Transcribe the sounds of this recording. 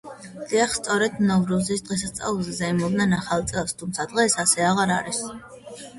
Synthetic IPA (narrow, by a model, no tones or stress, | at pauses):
d̪̥iaχst̪sʼɔɾɛd̪mnɔvɾuzisd̪ʁɛs̬ast̪sʼa̰lˠulˠzɛzaimɔbnɛnaχalˠt̪sʼɛlˠst̪ʰumt̪sʰad̪̥ʁɛsasɛaʁaɾaɾis